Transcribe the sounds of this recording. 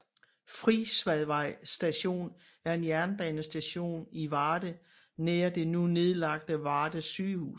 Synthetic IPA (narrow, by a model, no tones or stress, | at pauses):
fʁisʋæðˠʋɑ̈ɪ̰sd̥æɕo̝̰ːn | æɐe̝njæɐnb̥ɛːnəsd̥æɕo̝̰ːniʋɑːd̥ə | neːɐd̥e̝nune̝ð̞ˠlɑ̈ɡ̥̚d̥əʋɑ̈ːd̥əsyːhṵː